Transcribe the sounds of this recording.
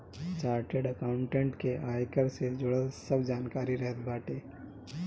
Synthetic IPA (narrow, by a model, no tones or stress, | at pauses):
t͡ʃaːɾʈeɖəkaʊ̃ɳʈẽːɳʈkeʔaːjkəɾsed͡ʒʊɽəlsəbd͡ʒaːnkaːɾiɾəɦət̪baːʈeː